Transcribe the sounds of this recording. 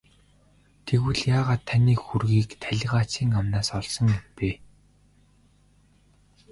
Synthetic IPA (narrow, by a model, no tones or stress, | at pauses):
t̪ʰeɣwɘ̆ɮjaːʁaːt̪ʰːaniːkxurɣiːkt̪ʰæɮʲʁaːt͡ɕiːŋamnaːsɔɮsɞ̆ŋimpeː